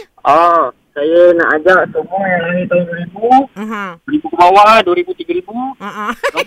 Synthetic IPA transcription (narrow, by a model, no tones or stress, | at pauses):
ɔ | sajəna̰ʔad͡ʒaʔsəmuajaŋləidaiduəɾibu | dəɾibukəmawaduəɾibut̪iɡaɾibu